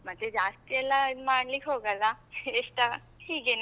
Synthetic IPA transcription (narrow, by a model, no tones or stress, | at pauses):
mɐt̪ːed͡ʒaːst̪ijɛlːamaːɳliːkɦoːɡəlaeːʂʈa | hiːɡen